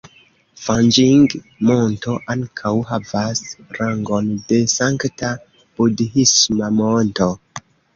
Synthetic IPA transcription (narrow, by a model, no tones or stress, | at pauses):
fand͡ʒiŋɡ | monto̞ʔaŋkʰawɦavasɾaŋɡo̞nde̞saŋkta | b̥udhismamonto̞